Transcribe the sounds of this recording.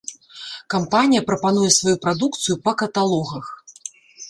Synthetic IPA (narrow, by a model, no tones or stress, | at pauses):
kampanʲijɐpɾɐpan̪ujɛsvajupɾad̪uk̚t̪sɨjupɐkɐt̪alˠɔɣɐx